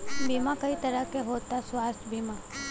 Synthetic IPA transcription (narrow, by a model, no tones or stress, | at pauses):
biːmãkəit̪əɾəkeɦoːt̪asʋaːst̪ʰbʱiːma